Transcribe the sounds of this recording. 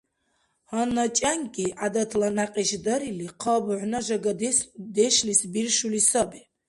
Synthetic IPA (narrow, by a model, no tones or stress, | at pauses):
hanat͡ʃʼaŋkʼiʔad̪at̪ʰlanaqʼiʃd̪ɐɾiliqʰəbʕʷnaʒaɡd̪ɛʃlisbirʃulisabi